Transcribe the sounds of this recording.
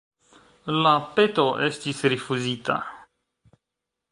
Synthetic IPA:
lapet̪oʔest̪isɾifuzit̪a̰

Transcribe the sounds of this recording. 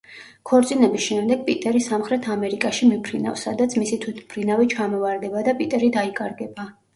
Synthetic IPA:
kʰɔɾt̪sʼinɛbisʃɛmd̪ɛɡ̚pʼit̪ʼɛɾisamχɾɛt̪ʰamɛɾikʼaʃimipʰɾina̰fsad̪at̪sʰmisit̪ʰwit̪ʰpʰɾinavit͡ʃʰamɔvaɾd̪ɛbad̪apʼit̪ʼɛɾid̪aikʼaɾɡɛba

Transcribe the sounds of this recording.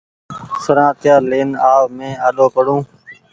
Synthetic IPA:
səɾãːt̪ɪjaːleːnaːʋmẽːaːɗoːpəɽũː

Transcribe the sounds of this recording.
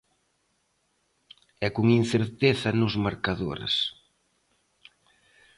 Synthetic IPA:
ɛkuŋin̟θeɾt̪eθɐnʊzmaɾkaðo̰ɾɪ̰s

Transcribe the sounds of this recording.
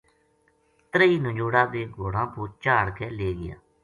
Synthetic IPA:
t̪ɾəiːnəd͡ʒoːɽaːd̪eːɡoːɽãːpoːɾt͡ʃaːɽkʰɛːleːɡɪja̰ː

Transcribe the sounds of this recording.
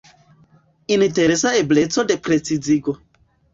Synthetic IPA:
inteɾesaeblet͡sodekɾet͡sid͡ziɡo

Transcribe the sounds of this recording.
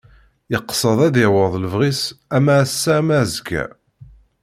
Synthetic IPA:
jəqːsˤəðˤæðɪʕwəðˤləvʁisæmæsːæmæzɡæ̰

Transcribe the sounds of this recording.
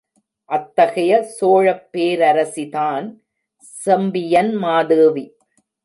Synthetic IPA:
ʔɐt̪ːɐɣɐjɐsoːɻɐpːeːɾɐɾɐsiðaːn | sɛmbɪjɐnmaːðɯːʋi

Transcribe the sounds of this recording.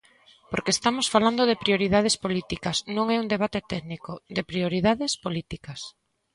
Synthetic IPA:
poɾkest̪amosfaland̪oðepɾioɾiðað̞espolit̪ikɐsnõŋɛund̪eβ̞at̪et̪ɛɣnikod̪epɾioɾiðaðespolit̪ikɐs

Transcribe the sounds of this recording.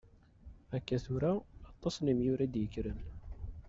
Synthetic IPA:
ækːæθʊɾaːt̪ˤːɑsˤnimjʊɾæd̪jəkːɾən

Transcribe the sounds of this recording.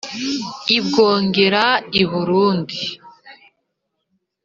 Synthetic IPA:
ibɡo̞ːŋɡe̞ɾaiβuɾuːndi

